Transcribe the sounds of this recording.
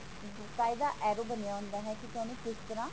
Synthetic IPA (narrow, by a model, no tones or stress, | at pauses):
bʊɾkaːid̪aːʔɛːɾoːbənejaːɦʊ̃nd̪aːɦɛːkɪt̪ʊɛːnũːkɪst̪əɾãː